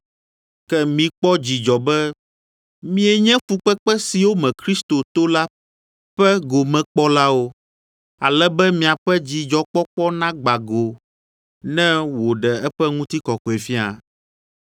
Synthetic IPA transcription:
kɛ˦mĩ˨k͡pɔ˦d͡ʑi˨d͡ʒɔ˨bɛ˦ | mĩ˦ɛ˨ɲɛ̃˦fu˨k͡pɛ˦k͡pɛ˦si˨wo˦mɛ̃˨kɾi˦st̪o˨t̪o˦la˦ | ɸɛ˦ɡo˨mɛ̃˨k͡pɔ˦la˦wo˦ | a̰˨lɛ˦bɛ˦mĩ˨a˨ɸɛ˦d͡ʑi˨d͡ʒɔ˨k͡pɔ˦k͡pɔ˦nã˦ɡ͡ba˨ɡo˨ | nɛ̃˦wo˨ɖɛ˨ɛ˦ɸɛ˦ŋũ˦t̪i˦kɔ˨kɔ˨e˨fi˦a̰˨

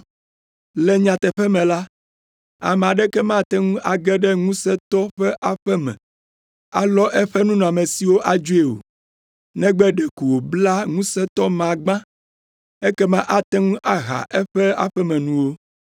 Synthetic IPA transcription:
lɛ˦ɲã˨t̪ɛ˨ɸɛ˦mɛ̃˨la˦ | a̰˨mɛ̃˨a˨ɖɛ˦kɛ˦mã˦˨t̪ɛ˦ŋũ˦ʔa˨ɡɛ˦ɖɛ˦ŋũ˦sɛ˦t̪ɔ˦ɸɛ˦ʔa˨ɸɛ˦mɛ̰̃˨ | a̰˦lɔ˦ʔɛ˦ɸɛ˦nũ˦nũ˨a˨mɛ̃˨si˨wo˦ʔa˦d͡ʒu˦e˨wo̰˨ | nɛ̃˦ɡ͡bɛ˦ɖɛ˨ku˨wo˨bla˦ŋũ˦sɛ˦t̪ɔ˦mã˨ɡ͡bã˦ | ɛ˦kɛ˦mã˦ʔa˦t̪ɛ˦ŋũ˦ʔa˦ɣa̰˨ʔɛ˦ɸɛ˦a̰˦˨ɸɛ˦mɛ̃˨nũ˦wo˦

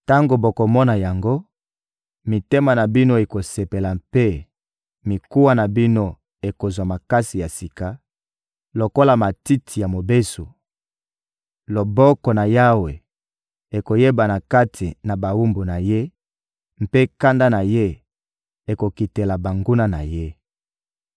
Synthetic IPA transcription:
ta˦ŋɡo˨bo˨ko˨mɔ˦na˨ja˨ŋɡo˦ | mi˨te˦ma˨na˨bi˦no˦e˨ko˨se˨pe˨la˨mpe˦ | mi˨ku˦wa˦na˨bi˦no˦ | e˨ko˨zwa˨ma˨ka˦si˨ja˨si˨ka˨ | lo˨ko˦la˨ma˨ti˦tʰi˨ja˨mo˨be˦so˨ | lo˨bɔ˦kɔ˨na˨ja˦we˨ | e˨ko˨je˦ba˨na˨ka˦tʰi˨na˨ba˨wu˦mbu˨na˨je˦ | m̩˦pe˦ka˦nda˦na˨je˦ | e˨ko˨ki˨te˨la˨ba˨ŋɡu˦na˦na̰˨je˦

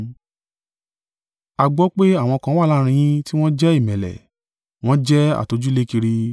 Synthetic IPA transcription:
a˧ɡ͡bɔ˦k͡pe˦a˦˨w̃ɔ̃˧kã˧˦wa˦˨la˦˧ɾ̃ĩ˧j̃ĩ˦ti˦w̃ɔ̃˦d͡ʒɛ˦i˦˨mɛ̃˨lɛ̰˨ | w̃ɔ̃˦d͡ʒɛ˦a̰˨to˨˧d͡ʒu˦le˦ki˧ɾi˧

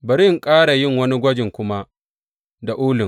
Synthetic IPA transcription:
bɐ˨ɾɪ˦˨ŋkʼaː˦ɽa˨jɪ˦ŋwɐ˦ni˦ɡʷɐ˦d͡ʒɪ˨ŋkʷʊ˦ma˦ | da˨ʔʊː˦lɪ˨ŋ

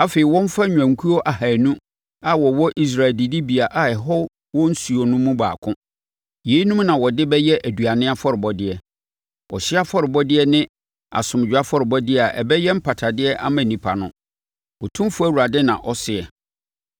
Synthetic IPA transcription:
a˦fe˨ɪ˨wɔ̃˦m̩˦fa˦ɲᶣ˨ã˨ŋ˨kʰu˦ɔ˦ʔa˨ha˨nũ˦ | a˨wɔ˨wɔ˦ʔi˦s̬ɾa˨ldi˨di˦bi˨a˨ʔa˨ɛ˨ɦɔ˦ | wɔ̃˦n̩˦su˨ɔ˨nʊ̃˦mũ˦ba̰ː˨kʰʊ̃˦ | je˨˦i˦nũ˦mnã˨wɔ˨dɪ˦bɛ˦jɛ˦ʔæ˨du˨a˨nɪ̃˦a˦fɔ˦ɾɪ˨bɔ˦dɪ˦ɛ˨ | ɔ̰˨ɕɪ˦a˦fɔ˦ɾɪ˨bɔ˦dɪ˦ɛ˦nɪ̃˦ | a̰˨sʊ̃˨m˨d͡ʑᶣa˦fɔ˦ɾɪ˨bɔ˦dɪ˦ɛ˦a˨ʔɛ̰˨bɛ˦jɛ˦m̩˦pʰa˨tʰa˨dɪ˦ɛ˦ʔa˦mã˨nĩ˨pʰa˨nʊ̃˦ | wɔ˨tʰũ˦m˦fʊ˦æ˦˨wu˨ɾa˨dɪ˦nã̰˨ʔɔ˦sɪ˨ɛ˨

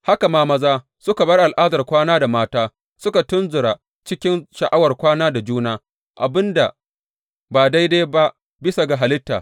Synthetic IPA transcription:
ha˦ka˨maː˦mɐ˦zaː˦ | sʊ˦ka˨bɐ˦rʔa˨lʔaː˦dɐ˨rkʷaː˦naː˦da˨maː˦taː˦ | sʊ˦ka˨tʊ˦nzʊ˨ɽa˨ | t͡ʃɪ˦kʲɪ˦nʃɐ˨ʔa˦wɐ˨rkʷaː˦naː˦da˨d͡ʒuː˦naː˦ | ʔa̰˨bɪ˦nda˨ | baː˨da˦jdaː˦ba˦ʔ | bɪ˦sa˨ɡa˨ɦa˨lɪ˦tːa̰ː˨

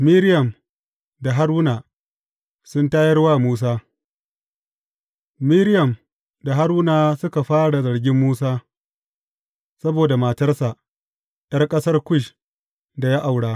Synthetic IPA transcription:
miː˦ɾɪ˦jɐ˨m | da˨ɦa˦ɽwʊ˦naː˨ | sʊ˦ntaː˦jɐ˦rwaː˦˨muː˦s̬aː˦ | miː˦ɾɪ˦jɐ˨m | da˨ɦa˦ɾwʊ˦naː˨sʊ˦ka˨ɸaː˦ɽa˨zɐ˨ɽɡʲɪ˦mːuː˦saː˦ | sɐ˦boː˨da˨maː˨tɐ˦rsa˨ʔ | ɗɐ˦rkʼɐ˦sɐ˦rkʷʊ˦˨ʃ | da˨ja˦ʔa˨wɽaː˦

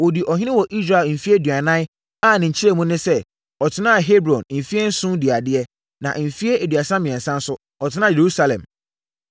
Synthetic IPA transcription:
wo˨di˨ʔɔ˨ɦɪ̃˦nɪ̃˦wɔ˨ʔi˦sɾa˨lm̩˨fi˦e˦dɥa˨nã˦ | a˦˨nɪ̃˨ɲ̩˨t͡ɕʰi˦ɾe˦mũ˦nɪ̃˦sɛ˦ | ɔ˨tʰɪ˦nã˦a˨ɦe˦bɾɔ̃˨nm̩˨fi˦e˦n̩˦sũ˦di˨a˨dɪ˦ɛ˦ | nã̰˨ʔm̩˨fi˦e˦ʔe˨dɥa˨sã˦mɪ̃˨ɛ̃˨n˨sã˦n̩˦sʊ˦ | ɔ˨tʰɪ˦nã˦˨e˨ɾu˦sa˦lɛ̰̃˨m

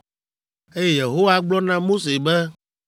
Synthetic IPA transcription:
e˦jɛ˦je˨ɦo˦wa˦ɡ͡blɔ˦nã˦mo˦se˨bɛ˦

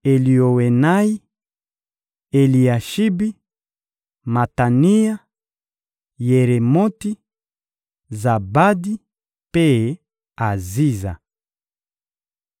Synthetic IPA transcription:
e˨li˨o˨we˨na˦i˦ | e˨li˨a˨ʃi˦bi˦ | ma˨ta˨ni˦ja˦ | je˨ɾe˨mo˦ti˦ | za˨ba˦di˦ | pe˦ | a˨zi˦za̰˨

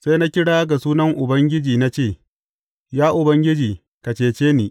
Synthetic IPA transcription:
sa˦na˦kʲɪ˦ɽaː˦ɡa˨suː˦nɐ˦ŋʔʊ˨bɐ˦ŋɡʲɪ˦d͡ʒiː˨na˦t͡ʃeː˦˨ | jaː˦ʔʊ˨bɐ˦ŋɡʲɪ˦d͡ʒiː˨ | kɐ˨t͡ʃeː˨t͡ʃeː˦niː˨

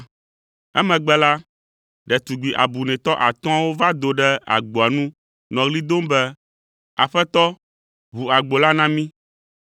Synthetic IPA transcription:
ɛ˦mɛ̃˨ɡ͡bɛ˦la˦ | ɖɛ˨t̪u˨ɡ͡bi˨ʔa̰˨bu˨nɛ̃˨t̪ɔ˦ʔa˨t̪ɔ̃˦a˦wo˦va˦d̪o˨ɖɛ˦a̰˨ɡ͡bo˨a˨nũ˦ | nɔ̃˨ɣli˦d̪o˦mbɛ˦ | a̰˨ɸɛ˦t̪ɔ˦ | βu˨a˨ɡ͡bo˨la˦nã˦mĩ˦

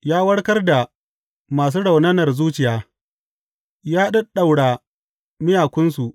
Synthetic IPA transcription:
jaː˦wɐ˦ɽkɐ˦rda˨ | maː˨s̬uː˦ɽa˨wnɐ˦nɐ˨rzuː˦t͡ʃɪ˨jaː˦ | jaː˦ɗɐ˦ɗa˨wɽa˨ | mɪ˦jaː˨kʷʊ˦nsu˨ʔ

